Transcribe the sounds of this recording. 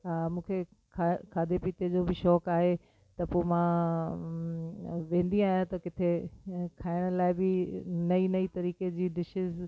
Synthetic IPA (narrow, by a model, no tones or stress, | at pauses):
amũːkʰe | kʰːkʰaːd̪ʱepiːt̪ed͡ʑoːbʱɪʃɔːkaːɦe | t̪ɐpoːmã | ʋẽːn̆d̪ĩaːɦjãt̪ɐkɪt̪ʰekʰaːɪɽ̃əlaːɪbɪnɐinɐit̪ɐɾiːked͡ʑiːɖɪʃɪz